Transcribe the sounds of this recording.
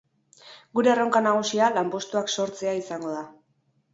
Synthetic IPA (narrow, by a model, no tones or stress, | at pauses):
ɡuɾe̞ro̞ŋkanaɣ̞usialampo̞st̪uakso̞ɾt͡se̞aisaŋɡo̞ð̞a